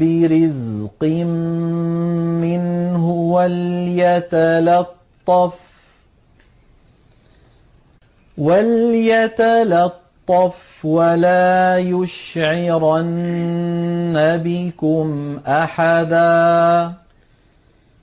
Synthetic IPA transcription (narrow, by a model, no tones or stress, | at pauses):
bɪɾɪzqɪm | mɪnhʊwaljat̪alɑt̪ˤːɑf | waljat̪alɑt̪ˤːɑf | walaːjʊʃʕɪɾan | abɪkʊmʔaħad̪aː